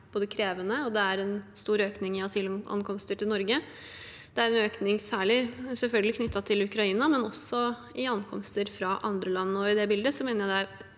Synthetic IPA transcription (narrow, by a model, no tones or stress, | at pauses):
b̥oːd̪əkʰɾeːʋənəɔd̪ɛæɾɛnst̪uːɾøːknɪŋɪɑsiːlʔɑ̰nkʰɔmst̪əʈʰɪlnɔɾɡə | d̪̥ɛæɾɛnøːknɪŋsæːɭɪsɛlfœlɡəlɪkʰnʏt̪ʰːɑt̪ʰɪlʉkɾɑiːnɑmɛnɔsɔ | ɪɑnkʰɔ̰mst̪əɾfɾɑʔɑ̰nd̪ɾəlɑnːəɔɪd̪ɛbɪld̪əsɔmeːnəɾjæɪd̪æ